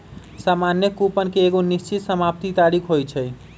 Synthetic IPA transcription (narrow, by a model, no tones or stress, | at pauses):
saːmanjəkupənkeeːɡonist͡ʃit̪səmap̚t̪it̪aɾikʰɦojt͡ʃʰɛj